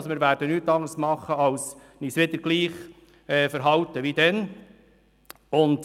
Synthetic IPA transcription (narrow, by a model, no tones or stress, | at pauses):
smɪːɾʋæːɾd̥ənyːt̪ɑŋəɾsmɑχːəɑws | niːsʋɪd̪əɾɡ̥liːχ | ɛːfəɾɦɑwt̪əʋid̪ɛn | ʊnt